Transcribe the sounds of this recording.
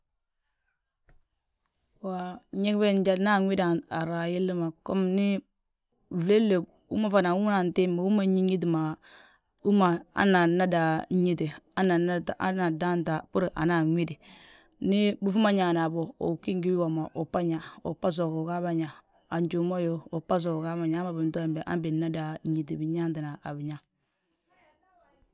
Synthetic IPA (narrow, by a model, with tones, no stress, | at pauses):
wa˨˦ɲe˦kbe˦n˦d͡ʒa˦˨lna˦˨ŋwi˦da˨a˨ɾa˨ji˦lːi˦ma˨ko˦mni˦˨ | vle˦lːe˨ | ṵ˦ma˦fa˨na˨wu˦m˦na˨nti˦ma˨wu˦ma˦˨ɲi˦ŋi˦t̬i˨ma˨ | u˦ma˨a̰˦na˨na˦da˨˦ɲi˦ti˨a˦na˨na˦tʔa̰˦na˨da˦n˦ta˨pu˦ɾʔa̰˨na˨ŋʷi˦di˨ | nɪ˦bu˦fu˦ma˦ɲa˨na˨bo˨o̰˨ki˦ŋɡi˦wo˨ma˨ʔo˨pa˦ɲa˨o̰˨pa˦s̬ɔ˨ko˨ka˦ba˦ɲa˨ | a˨ɲd͡ʒo˨mo˦jo˦o˨pa˦s̬ɔ˨ko˨ka˦ba˨ɲa˨˦ma˨bi˨n˦tɔ˦˨mbɛ˨ʔa̰˦mbi˨na˦da˨˦ɲi˨ti˨bi˨ɲa˦nti˨na˨ʔa̰˨bi˨ɲa˦